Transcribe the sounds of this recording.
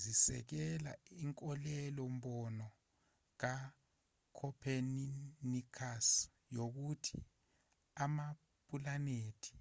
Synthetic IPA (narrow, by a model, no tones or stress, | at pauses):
zisɛ̰k̬ɛla̰iŋkʼɔlɛlɔmɓɔnɔ | k̬a | kʰɔpʰeninikʰas | jok̬utʰi | ama | pʼulaneːtʰi̥